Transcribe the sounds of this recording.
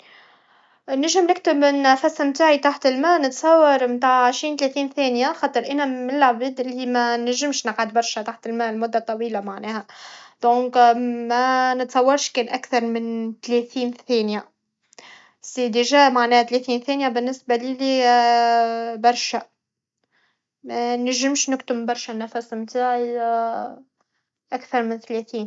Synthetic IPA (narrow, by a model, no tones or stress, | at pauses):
næʒɪmnɪk̚t̪ɪbnæfæsmt̪aːʕit̪aħt̪ɪlmæːnɪt̪sˤɑwːɑɾˤmt̪aːʕʕəʃɾiːnt̪læθiːnθæːnjaxɑːt̪ˤəɾʔænæmɪɪlːʕbiːd̪ʔɪlːimænæʒɪmʃnəqʕad̪bɑɾˤʃæt̪aħt̪ɪlmæːlmʊd̪ːat̪ˤːɑwiːlamaʕnæːhæd̪̥õːkmænət̪sˤɑwːɑɾˤʃkɛːnʔækθɑɾˤmɪnt̪læθiːnθæːnjæ | sid̪iʒæmaʕnɛːhæt̪læθiːnθæːnjæbɪnːɪsbæliːli | bɑɾˤʃæ | mænæʒɪmʃnɪkt̪ʊmbɑɾˤʃænæfæsmt̪aʕ | ʔækθɑɾˤmɪnt̪læθiːn